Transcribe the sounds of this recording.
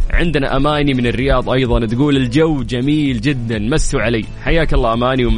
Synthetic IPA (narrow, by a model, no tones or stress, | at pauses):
ʕɪ̰nd̪naʔamaːnimɪnɪrːɪjɑːðˤʔɑjðˤɑnt̪ɡuːlɪld͡ʒawːd͡ʒamiːld͡ʒɪd̪ːanmasːuʕaleːħajːaːkɑlˤːɑːʔamaːniwɪm